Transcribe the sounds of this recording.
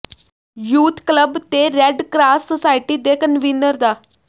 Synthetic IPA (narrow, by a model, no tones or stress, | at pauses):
juːt̪kləbt̪eɾɛɖkɾaːsːəsaːjiʈiːd̪ekənʋinːəɾd̪a